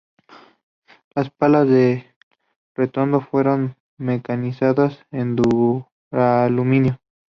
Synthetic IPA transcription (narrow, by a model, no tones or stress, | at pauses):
laspalazðe | ret̪ond̪ofwe̞ɾo̞n | mekanisaðasend̪u | ɾalumĩnjo